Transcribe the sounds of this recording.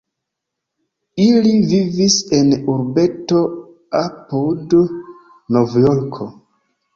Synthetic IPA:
ilivivise̞nuɾbe̞to | apud | novjoɾkʰo

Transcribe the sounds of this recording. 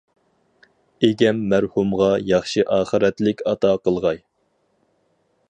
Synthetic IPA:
eɡʲɛmːæɾhumʁɑjɑχʃɨʔɑːχəɾɛt̪lɪkʲɑt̪ɑqəlˠʁɑj

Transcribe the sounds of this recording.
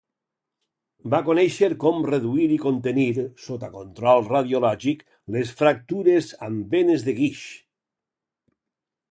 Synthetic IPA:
bakonɛʃeɾkɔmreðuiɾikont̪eniɾsot̪akont̪ɾɔlˠrað̞jolɔʒik | lesfɾak̚t̪uɾezambenezðeɣiʃ

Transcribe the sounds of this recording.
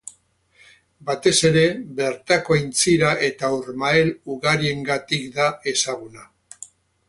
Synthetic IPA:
bat̪e̞se̞ɾe̞βe̞ɾt̪ako̞ajnt͡siɾaʔe̞t̪auɾmaeluɣaɾie̞ŋɡat̪ikd̪ae̞saɣ̞una

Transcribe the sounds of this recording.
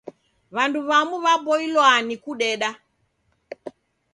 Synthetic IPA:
βanduβamuβabɔilwanikuɗɛɗa

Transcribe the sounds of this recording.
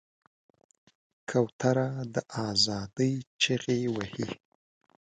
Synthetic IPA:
kʰawt̪ʰaɾad̪əʔɑzɑd̪əjt͡ʃeɣewahḭ

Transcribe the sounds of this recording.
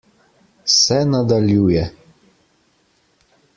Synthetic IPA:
sɛnad̪aljuːjɛ

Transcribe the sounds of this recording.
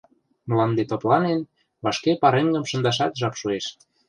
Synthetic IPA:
məlɑnd̪et̪oplɑnen | βɑʃkepɑɾeŋɡə̆mʃə̆nd̪ɑʃ̬ɑt̪ʒɑpʃueʃ

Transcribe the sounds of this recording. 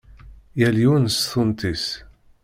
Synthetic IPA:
jæljunsθʊnt̪is

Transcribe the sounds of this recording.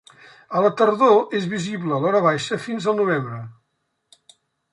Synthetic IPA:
ələt̪əɾðoezβiziβləːlɔɾəβ̞ajʃəfinzəlˠnuβ̞embɾə

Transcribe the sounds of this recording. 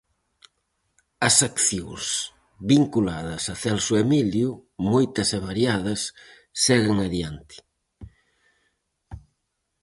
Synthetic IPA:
ɐsakθjoŋs | βiŋkulaðɐsɐθɛlsuemiljumojt̪ɐseβaɾjaðɐsː | ɛɣeŋaðjant̪ɪ̥

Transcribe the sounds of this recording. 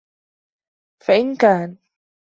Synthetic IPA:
faʔɪnkaːn

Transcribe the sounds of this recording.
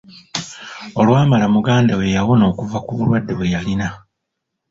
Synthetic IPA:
o̞lwaːmalamuɡaːndawe̞jawono̞ːkuvakuβulwadːe̞βwe̞jalina

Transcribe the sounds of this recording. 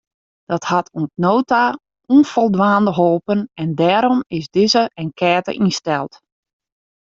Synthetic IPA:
d̥ɔthatʰunsnoːta | unfɔlˠdʋaːndəɦoːpənɛndɛːɾɔmɪsdɪzəɛnkʰɛːtə̰ʔinstɛlˠt

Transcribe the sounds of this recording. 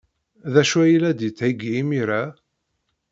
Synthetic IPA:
ðæʃwæjlæd̪jət͡sːʕiɡiːmiɾæ

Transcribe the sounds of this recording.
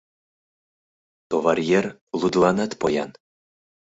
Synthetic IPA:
t̪ovarjerlˠud̪lˠɑnɑt̪pojɑn

